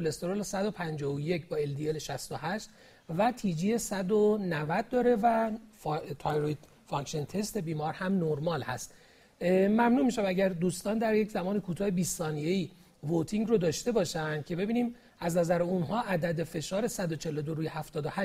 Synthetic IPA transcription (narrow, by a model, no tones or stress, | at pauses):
olest̪oɾolsæd̪o̞pʰænd͡ʒɒːoje̞cʰbɒːe̞ld̪ieleʃæst̪ohæʃt̪ | væt̪ʰiːd͡ʒiːje̞sæd̪onævæd̪̚ːɒːɾe̞væ | t̪ʰɒjɾoid̪ | fɒŋkʃent̪ʰe̞st̪e̞biːmɒːɾhæmnoɾmɒːlhæ̰st̪ | mæmnuːmiːʃæmæɟæɾd̪uːst̪ɒːnd̪æɾjecʰzæmɒːnekʰuːt̪ʰɒːhebiːsːɒːnijeiː | vot̪ʰiŋɟrod̪ɒːʃt̪e̞bɒːʃænd̪̥̚cʲʰe̞be̞biːniːm | æznæzæɾeunɦɒːʔæd̪æd̪e̞fe̞ʃɒːɾe̞sæd̪ot͡ʃʰe̞lo̞d̪oɾuːjehæft̪ɒːd̪ohæ